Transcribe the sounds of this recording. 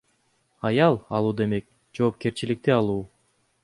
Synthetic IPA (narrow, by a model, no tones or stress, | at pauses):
ɑjɑlˠɑlˠuːd̪e̞me̞k̚ | d͡ʒo̞ːp̚ke̞ɾt͡ʃilik̚t̪iɑlˠuː